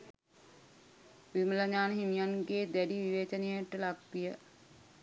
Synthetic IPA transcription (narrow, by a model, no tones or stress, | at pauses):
ʋimələɲaːnəɦimijanɡeːd̪æɖiʋiʋeːt͡ʃənejəʈəlakʋijə